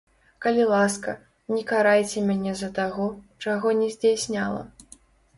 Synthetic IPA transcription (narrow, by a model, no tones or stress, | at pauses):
kɐlʲilˠaskɐ | nʲɛkaɾajt͡sʲɛmʲanʲɛzɐt̪aɣɔt͡ʂaɣɔnʲɛzʲd͡zʲajsʲnʲalˠɐ̰